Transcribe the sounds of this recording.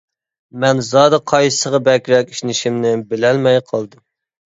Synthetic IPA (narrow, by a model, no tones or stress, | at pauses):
mɛnzɑːd̪ɑqʰɑjsəʁɑbɛkʲɾɛkʲi̥ʃnɪʃimnɪbɪlɛlmɛjqʰɑlˠd̪ɨm